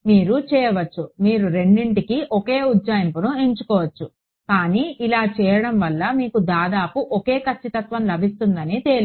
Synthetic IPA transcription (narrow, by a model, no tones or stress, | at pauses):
miːɾut͡ʃɛːjɐʋɐt͡ʃːumiːɾuɾe̞ɳɖiɳʈikiʔoke̞ːud̪d͡ʒaːjɐmpunueɲt͡ʃukɔːʋɐt͡ʃːu | kaːniːilaːt͡ʃɛːjɐɽɐmʋɐlːɐmiːkud̪aːd̪aːpuʔoke̞ːkɐt͡ʃːit̪ɐt̪ʋɐmlɐbʱist̪und̪ɐnit̪e̞li